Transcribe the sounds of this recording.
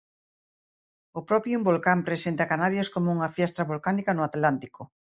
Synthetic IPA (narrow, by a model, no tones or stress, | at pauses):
ʊpɾɔpjumbolkampɾesent̪akanaɾjaskomouŋɐfjɛst̪ɾɐβolkanikɐnʊat̪lant̪ikʊ